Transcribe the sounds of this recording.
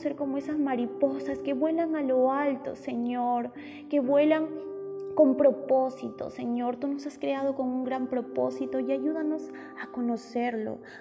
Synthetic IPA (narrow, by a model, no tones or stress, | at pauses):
se̞ɾko̞mo̞e̞sazmaɾipo̞saske̞βwe̞laŋalo̞alt̪o̞̰se̞ɲoɾ | ke̞βwe̞laŋko̞mpɾo̞po̞sit̪o̰se̞ɲo̞ɾt̪uno̞saskɾe̞að̞o̞ko̞ŋuŋɡɾampɾo̞po̞sit̪o̞iaʝuðano̞s | ako̞no̞se̞ɾlo̞̰